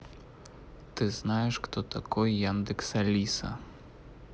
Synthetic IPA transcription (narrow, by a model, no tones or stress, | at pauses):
t̪ɪznajɛʂxt̪ɔt̪akɔjjand̪ɨksalʲisa̰